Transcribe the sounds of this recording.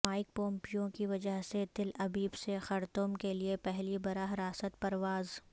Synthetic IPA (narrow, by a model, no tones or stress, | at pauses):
aːɪk̚põːmpijõkiʋɐd͡ʒəɦset̪ɪlɐbiːbsexɐɾt̪ʊmkeliepɛɦlibɐɾaɦɾaːsət̪̚pɐɾʋaːz